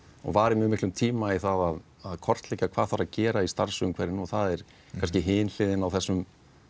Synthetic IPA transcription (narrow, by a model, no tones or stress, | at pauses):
ɔ̰ɣvaːɾɪmɛmɪhklʏmt̪ʰiːmaiθaðað | aðkʰɔr̥t̪leːcakʰvaːðθaɾacɛːɾaist̪aɾsʏmkʰvɛɾɪnuθaðɛɾ̥ | kʰanscɪɦɪːnl̥ɪːðɪnawθɛsːʏm